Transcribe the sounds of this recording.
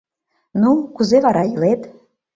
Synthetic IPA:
nukuzeβɑɾɑjilet̪

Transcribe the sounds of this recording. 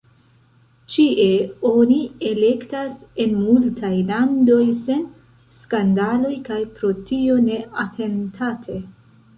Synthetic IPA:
t͡ʃiʔe̞o̞nie̞le̞ktase̞nmultʰajlando̞jse̞n | skandalo̞jkajpɾo̞tio̞ne̞ʔatʰe̞ntʰatʰe̞

